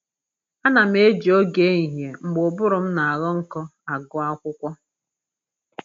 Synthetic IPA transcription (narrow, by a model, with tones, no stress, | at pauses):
a˦na˨m̩˦e˦d͡ʒi˨o˦ɡe˦i˨ɦje˨m̩˨ɡ͡bʊ˨bʊ˦ɾʊ˨m̩˦na˨a˨ɣɔ˦ŋ̩˦kɔ˦a˨ɡʊ˦a˦kʷʊ˦kʷɔ˦